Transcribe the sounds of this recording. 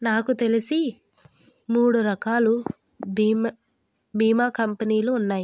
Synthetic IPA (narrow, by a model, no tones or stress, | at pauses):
naːkut̪e̞lisi | muːɽuɾɐkaːlu | b | biːmaːkɐmpɐniːluːnːaːji